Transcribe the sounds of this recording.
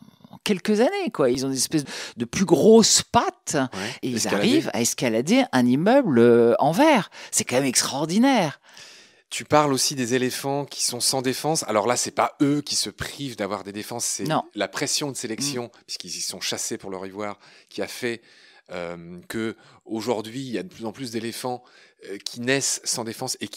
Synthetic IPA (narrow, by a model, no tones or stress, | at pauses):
kʲɛlkəzanekwailzɔ̃inzɛspɛsdd̪əplyɡʁospat̪eizaʁiva̰ɛskalad̪eʔɛ̃nimœbløɑ̃vɛːʁsɛkɑ̃mɛmɛkst̪ɔʁd̪inɛʁ | t̪ypaʁlosid̪ezelefɑ̃kʲʰi̥sɔ̃sɑ̃d̪efɑ̃sa̰lɔʁlasɛpaøkʲisəpχivd̪avwaʁd̪ed̪efɑ̃sːɛnɔ̃lapχesjɔ̃d̪əselɛksjɔ̃pɥi̥skilzisɔ̃ʃasepuʁlœʁivwaːʁkʲiafɛømkəoʒuʁd̪ɥiːljad̪əpʰlyzɑ̃plysd̪elefɑ̃økʲʰinɛsːɑ̃d̪efɑ̃sek